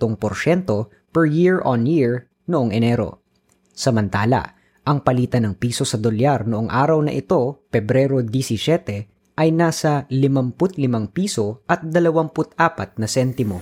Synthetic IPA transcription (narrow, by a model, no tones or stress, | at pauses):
oŋpoɾʃɛnt̪o̞ | pɛɹjiɹʔonjiɹ | noʔoŋʔɛnɛɾo̞̰ | sɐmɐnt̪aːlɐ̰ | ʔɐŋpɐliːt̪ɐnɐŋpiːso̞sɐd̪oljaɾnoʔoŋʔaːɾɐwnɐ̰ʔɪt̪o̞pɛbɾɛɾo̞d̪isɪsɛt̪ɛ | ʔɐjnaːsɐlɪmɐmpʊt̪̚lɪmɐŋpiːso̞ʔɐt̪̚d̪ɐlɐwaŋpʊt̪ʔaːpɐt̪̚nɐsɛnt̪ɪmo̞